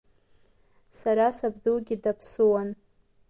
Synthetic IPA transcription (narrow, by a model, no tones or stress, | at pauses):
saɾasabdulɡʲidapʰsuwan